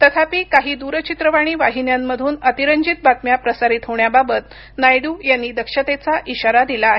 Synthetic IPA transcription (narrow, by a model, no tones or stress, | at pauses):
t̪ət̪ʰapiːkaɦiːd̪uɾət͡ɕit̪ɾəʋaɽ̃iːʋaɦinjamːəd̪ʱuːnət̪iɾəɲd͡ʑit̪̚bat̪mjapɾəsaɾit̪ɦoɳjababət̪ | najɽuːjanːiːd̪əkʂət̪et͡saʔiɕaɾad̪ilaːɦe